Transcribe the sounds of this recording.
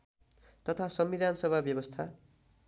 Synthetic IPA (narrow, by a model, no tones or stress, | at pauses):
t̪ʌt̪ʰasʌmbid̪ansʌbʱabjʌbʌst̪ʰa